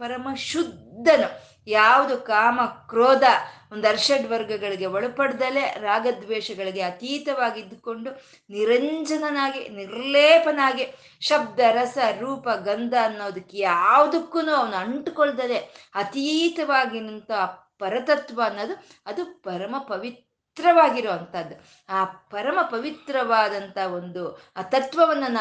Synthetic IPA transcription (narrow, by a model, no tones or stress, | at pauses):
pɐɾɐmɐʃud̪ːɐnu | jaːʋɐd̪ukaːmɐkɾoːd̪ɐ | ond̪ɐɾʃɐʈʋɐɾɡɐɡɐɭiɡe̞ʋɐɭupɐɽd̪ɐleɾaːɡɐd̪ʋɛːʃɐɡɐɭiɡeɐt̪iːt̪ɐʋaːɡid̪ːko̞ɳɖu | niɾɐɲd͡ʒɐnɐnaːɡḭniɾlɛːpɐnaːɡi | ʃɐb̚d̪ɐɾɐsɐɾuːpɐɡɐnd̪ʱɐːnːoːd̪ɐkːejaːʋɐd̪ɐkːuːnuːɐʋɐnuɐɳʈkoɭd̪ɐd̪eɐt̪iːt̪ɐʋaːɡinɐnt̪ɐɦ | pɐɾɐt̪ɐt̪ʋɐːnːoːd̪u | ɐd̪upɐɾɐmɐpɐʋitt̪ɾɐʋaːɡiɾoːɐnt̪ɐd̪ːu | aːpɐɾɐmɐpɐʋit̪ɾɐʋaːd̪ɐnt̪ɐɦɐo̞nd̪ut̪ɐt̪ʋɐʋɐnːɐn